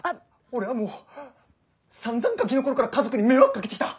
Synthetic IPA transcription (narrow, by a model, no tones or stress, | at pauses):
a | oɾe̞βamoː | sãnzãŋkãkʲino̞ko̞ɾokaɾakazo̞kɯ̟ɲ̟imeβakkːaketekʲit̪a